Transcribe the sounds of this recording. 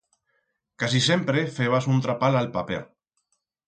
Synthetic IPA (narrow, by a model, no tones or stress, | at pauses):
kasisempɾefeβasunt̪ɾapalalpapḛ